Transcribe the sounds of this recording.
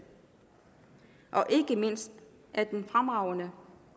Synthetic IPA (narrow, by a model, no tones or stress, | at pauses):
ʔɒ̽ʔe̝ɡ̥əme̝n̰sd̥ | ʔæɐd̥enfʁamɑ̈ʊɐnə